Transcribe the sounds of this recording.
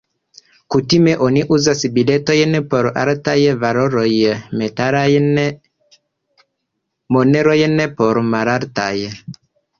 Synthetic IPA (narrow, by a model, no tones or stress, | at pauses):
kutimeʔoniʔuzasibiletojənepoɾa̰ɾtajəvaɾoɾojəmetaɾajn | moneɾojənepoɾmaɾaɾtajə